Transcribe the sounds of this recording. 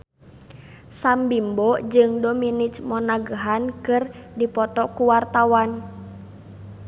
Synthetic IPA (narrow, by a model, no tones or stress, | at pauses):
sambimbɔd͡ʒɨŋdominit͡ʃmɔnaɡəɦankɨrdipɔt̪ɔkuwart̪awan